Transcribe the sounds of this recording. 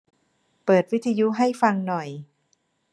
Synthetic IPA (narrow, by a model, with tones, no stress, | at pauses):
pɤː˨˩t̪̚wi˦˥t̪ʰːa˧ju˦˥ɦa˥˩jfa˧ŋnɔ˨˩j